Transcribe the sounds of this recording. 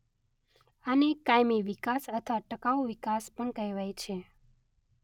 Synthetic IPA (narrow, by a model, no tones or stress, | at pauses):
anekajmiʋikasət̪ʰʋaʈəkaʋʋikaspəɳkəiʋajt͡ʃʰe